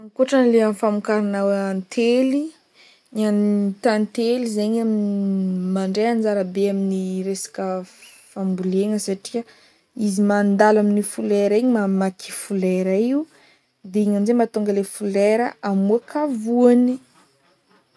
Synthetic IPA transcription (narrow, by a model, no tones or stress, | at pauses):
aŋkoʈ͡ʂanleamfamukaɾanaweant̪ʰeli | ɲant̪ant̪elizeɲaminimaɳɖ͡ʐeanzaɾabeaminiɾesḁkə | fambuleŋəsaʈ͡ʂi̥ə | izimand̪alaminifuleɾəiɲimamakʰi̥fulɛɾaiu | d̪eiŋanzemat̪uŋɡəlefuleɾəʔamuakʰavuani